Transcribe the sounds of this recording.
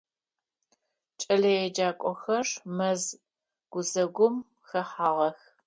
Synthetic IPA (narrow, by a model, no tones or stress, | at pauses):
t͡ʃʼɐɮɐjɛd͡ʒaːkʷʼɔxɐrmɐz | ɡ̥ʷʊzɐɡʷʊm | xɐħaːʁɐx